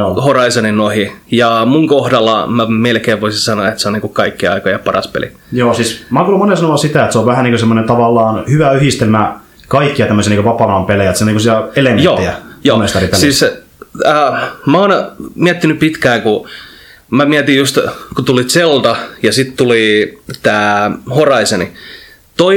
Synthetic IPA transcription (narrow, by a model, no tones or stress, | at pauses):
horɑisoninnohijɑmuŋkohdɑlːɑ̰mæmelkeːʋʋoisinsɑnoɑet̪seoniŋkukɑikːiɑ̰ikojɑpɑrɑ̰spḛlḭ | joːsismɑːkuːlːumonesɑnoʋɑsit̪æˑet̪seoʋʋæhæniːŋkosemːonent̪ɑʋɑlːɑːnhyʋæyhist̪elmæ | kɑikːiɑt̪æmːøsiɑniŋkəpɑpːɑnɑmpelejæt̪siniŋkosiæelemejnoːiæjoːnest̪ɑrip̪elsiːs | əːmæonmiæt̪ːinypit̪kæːŋku | mæmiæt̪ijjust̪kut̪ulit̪selt̪ɑjɑsit̪t̪ulit̪æːhorɑiseni | t̪oi